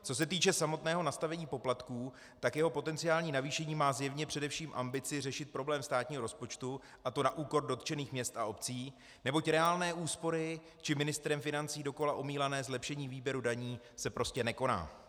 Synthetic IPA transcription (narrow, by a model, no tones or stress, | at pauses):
t͡so̞s̬ɛt̪iːt͡ʃɛsamo̞t̪nɛːɦo̞nast̪avɛɲiːpo̞plat̪kuː | t̪akjɛɦo̞po̞t̪ɛnt͡sɪaːlɲiːnaviːʃɛɲiːmaːzjɛvɲɛpr̥ɛdɛfʃiːmʔambɪt͡sɪrɛʃɪt̪̚pɾo̞blɛːmst̪aːt̪ɲiːɦo̞ɾo̞spo̞t͡ʃt̪u | ʔat̪o̞naʔuːko̞rdo̞t̪t͡ʃɛniːxmɲɛst̪ʔaopt͡siː | nɛbo̞cɾɛaːlnɛːʔuːspo̞ɾɪ | t͡ʃɪmɪnɪst̪ɾɛmfɪnant͡siːdo̞ko̞laʔo̞miːlanɛːzlɛpʃɛɲiːviːbjɛɾudaɲiː | sɛpɾo̞scɛnɛko̞na̰ː